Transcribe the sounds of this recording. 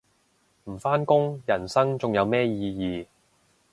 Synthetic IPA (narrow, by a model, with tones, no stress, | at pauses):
m̩˨˩faː˥nkʊ˥ŋjɐ˨˩nsɐ˥ŋt͡sʊ˨ŋjɐ˨˧wmɛː˥jiː˨˧jiː˨˧